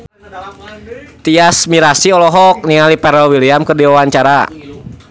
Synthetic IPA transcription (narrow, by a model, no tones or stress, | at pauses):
t̪iasmiɾasiɔlɔɦɔk̚niŋalipɛɾɔwiliamkərdiwawaɲt͡ʃaɾa